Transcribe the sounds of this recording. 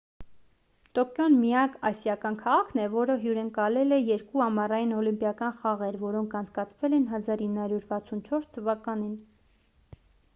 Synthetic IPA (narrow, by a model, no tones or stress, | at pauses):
t̪ɔkjɔnmijɑkɑsjɑkɑnkʰɑʁɑkʰnɛvɔɾəɦjuɾəŋkɑlɛlɛjɛɾkuɑmɑrɑjinɔlimpjɑkɑnχɑʁɛɾvɔɾɔŋkʰɑnt͡sʰkɑt͡sʰvɛlɛnɦɑzɑɾinːhɑɾjuɾvɑt͡sʰunt͡ʃʰɔɾst̪ʰəvɑkɑnin